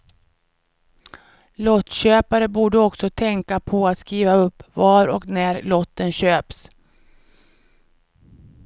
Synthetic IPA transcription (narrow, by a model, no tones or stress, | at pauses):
lɔt̪ːɕøːpaɾəbuːɖəɔksɔt̪ʰɛŋkapʰɔat̪skiːvaɵpːvaɾɔ̰knæɾlɔt̪ːənɕøːps